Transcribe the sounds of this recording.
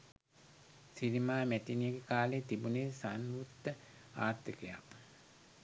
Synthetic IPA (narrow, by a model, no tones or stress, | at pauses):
sinimaːmætinijeɡekaːlet̪ibuneːsanʋut̪ːə | aːt̪əkeja̰k